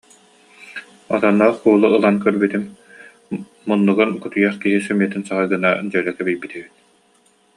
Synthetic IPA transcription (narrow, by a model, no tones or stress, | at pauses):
ɔt̪ɔnːɔːχkuːlˠuːlˠankœɾbyt̪im | munːuɡɯnkut̪ujaχkiɦisœmiɛt̪insaɦɯjɡɯnad͡ʑœlɛkɛbijbit̪ɛbit̪̚